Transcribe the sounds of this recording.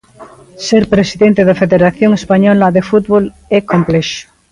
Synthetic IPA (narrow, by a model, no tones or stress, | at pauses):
seɾpɾesiðẽnt̪eðafeðeɾaθjoŋespaɲɔlaðefut̪βol | ekompleʃo̥